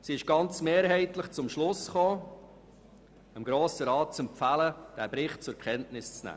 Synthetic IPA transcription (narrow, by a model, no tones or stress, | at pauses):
siɪʃɡ̥ɑnt͡smeːɾɦɛɪtləχt͡sʊmʃlʊsχoː | əmɡɾoːsəɾɑːt̚t͡sɛmpfæləd̥æːbɾɪχt̚t͡sʊɾkχɛntnɪst͡snæ̰ː